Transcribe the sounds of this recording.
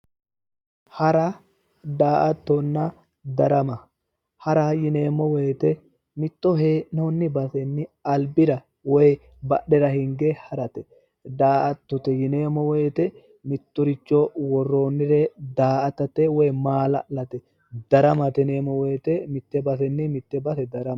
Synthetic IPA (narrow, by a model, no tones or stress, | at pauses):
hɐɾɐ | d̪aːʔɐt̪ːɔnːɐ | d̪ɐɾɐmɐ | hɐɾɐjɪneːmːɔwejt̪ɛ | mɪt̪ːɔɦenonːɪbɐsɛnːɪɐlbɪɾɐ | wɔj | bɐ̰ɗɛɾɐhɪŋɡɛhɐɾɐt̪ɛ | d̪aːʔɐt̪ːɔt̪ɛjɪneːmːɔwɛːt̪ɛ | mɪt̪ːɔɾɪt͡ʃːɔwɔrːoːnːɪɾɛd̪aːʔɐt̪ɐt̪ɛwɔjmaːlɐ̰lɐt̪ɛ | d̪ɐɾɐmɐt̪ɛneːmɔwɛjt̪ɛmɪt̪ːɛbɐsɛnːɪmɪt̪ːɛbɐsɛd̪ɐɾɐm